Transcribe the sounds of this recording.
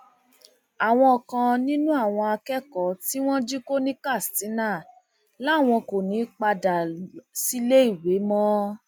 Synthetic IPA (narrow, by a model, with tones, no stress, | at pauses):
a˨w̃ɔ̃˧ɔ˧kã˧nĩ˦nũ˦a˦˨w̃ɔ̃˧a˧kɛ˦kɔ˨˦ti˦w̃ɔ̃˦d͡ʒi˦ko˦nĩ˦ka˦˨sti˨˦nãː˦˨ | la˨˦˨w̃ɔ̃˧ko˨nĩ˨˦k͡pa˧da˨si˦le˦i˦˨we˨˦mɔ̃˦